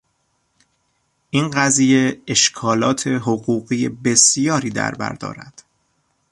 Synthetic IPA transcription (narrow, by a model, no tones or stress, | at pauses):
ʔinɢæziːje̞eʃkʰɒːlɒːt̪ʰe̞ɦoɣuːɣiːjebe̞sijɒːɾiːd̪æ̰ɾbæ̰ɾd̪ɒ̰ːɾæ̰d̪̥